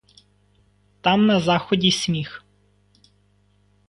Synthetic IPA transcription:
t̪ɑmnɐzɑxɔdʲisʲmʲix

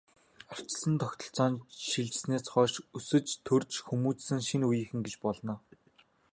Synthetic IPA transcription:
ar̥t͡ɕɪ̆ɮsə̆nt̪ʰɔxʲt̪ɞ̆ɬt͡sɔːnʃiɮt͡ɕɪ̆sneːsχɔːʃusɵ̆t͡ɕt̪ʰɵrt͡ɕxumuːt͡ssɘ̆ŋʃinujɘ̆xɘ̆ŋɡet͡ɕpɔɮnɔː

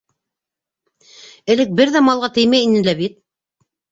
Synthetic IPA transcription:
ɘ̆lɘk̚bɘɾðæmɑlˠʁɑt̪ɘ̆jmæjinɘlæβit̪̚

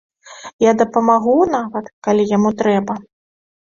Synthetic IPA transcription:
jad̪ɐpɐmaɣunavɐt̪kalʲijamut̪ɾɛbɐ

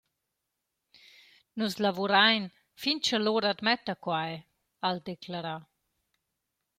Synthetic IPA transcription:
nuzlavuɾajn | fint͡ʃaloɾad̪mɛt̪akwaj | ald̪eklaɾa

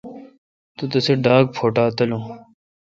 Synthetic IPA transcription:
t̪ut̪ɐseɖaːk̚pʰoːʈaːt̪ɐlõː

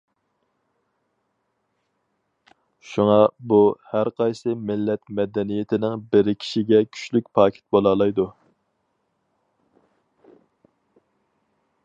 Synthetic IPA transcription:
ʃuŋɑbuhæɾqɑjsɨmɪlːɛt̪mɛd̪ɛnijɪt̪ʰɪnɪŋbɪɾɪkʲʰi̥ʃiɡʲɛkʲʰy̥ʃlykʲpʰɑːkʲʰɪ̥t̪̚bolˠɑːlˠɑjd̪u

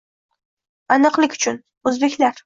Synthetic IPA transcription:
anɨqlɪkʲʊ̥t͡ʃʰʊn | ɵzbe̞kʲlaɾ

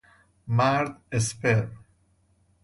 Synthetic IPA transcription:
maɾd̪espeɾ

